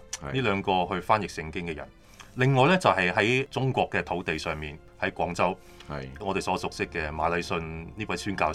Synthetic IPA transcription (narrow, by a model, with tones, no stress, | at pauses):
niː˥lœː˨˧ŋkɔː˧ɦɵ˧ɥfaː˥njɪ˨k̚sɪ˧ŋkɪ˥ŋkɛː˧jɐ̰˨˩n | lɪ˨ŋːɔː˨˧jlɛː˥t͡sɐ˨wɦɐ˨jɦɐ˨˥jt͡sʊ˥ŋkʷɔː˧kːɛː˧t̪ʰo˨˥wt̪e˨jsœː˨˩ŋmiː˨n | hɐ˨˥jkʷwʷɔː˨˥ŋt͡sɐ˥w | ŋɔ˨˧t̪e˨jsɔː˨˧˥sʊ˨k̚sɪ˥kːɛː˧maː˨˧˥lɐ˨˧jsɵ˧nniː˥wɐ˨˥jsyː˥nkaː˧